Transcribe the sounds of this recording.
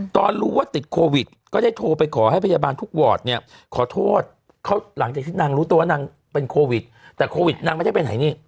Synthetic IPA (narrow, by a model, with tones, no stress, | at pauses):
t̪ɔː˧nɾuː˦˥waː˥˩t̪i˨˩t̪̚kʰoː˧wi˨˩t̪̚kɔː˥˩da˥˩jt̪ʰoː˧pa˧jkʰɔː˩˦ha˥˩pʰa˧jaː˧baː˧nt̪ʰu˦˥k̚wɔː˨˩t̪̚ni˥˩ɐ | kʰɔː˩˦t̪ʰoː˥˩t̪̚ | kʰa˦˥˩wla˩˦ŋt͡ɕaː˨˩kt̪ʰiː˥˩naː˧ŋɾuː˦˥t̪u˧wa˥˩na˧ŋ | pe˧nkʰoː˧wi˨˩t̪̚t̪ːɛː˨˩kʰoː˧wi˨˩t̪̚na˧ŋa˧˥˩da˥˩pe˧nːa̰˨˩˦jniː˥˩